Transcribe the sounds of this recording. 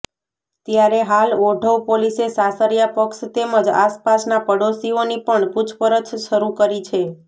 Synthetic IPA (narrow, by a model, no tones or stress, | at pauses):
t̪jaɾeɦaloɖʱəʋpolisesasəɾjapəkst̪eməd͡ʒa̰spasnapəɽosionipəɳput͡ʃʰpəɾət̪ʃəɾukəɾit͡ʃʰe